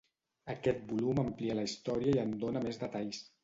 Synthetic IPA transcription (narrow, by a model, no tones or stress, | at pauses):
əkɛt̪̚buluməmpliələist̪ɔɾiəiənd̪onəmezðət̪aʎs